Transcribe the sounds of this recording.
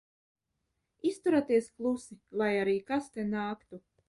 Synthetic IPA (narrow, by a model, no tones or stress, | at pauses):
ist̪uɾat̪iɛsklˠusilˠajaɾiːkast̪ɛnaːkt̪u